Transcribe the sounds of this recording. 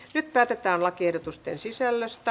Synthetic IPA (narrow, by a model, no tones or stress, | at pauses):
nyt̪̚pæːt̪et̪æːnlɑkiehɾot̪ust̪ḛnsisælːest̪æ